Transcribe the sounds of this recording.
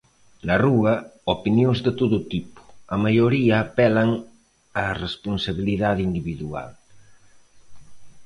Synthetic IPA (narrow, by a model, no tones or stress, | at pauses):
naruɐopinjozðet̪oðot̪ipo̥amajoɾiaːpɛlaŋ | aresponsaβ̞iliðaðind̪iβiðua̰l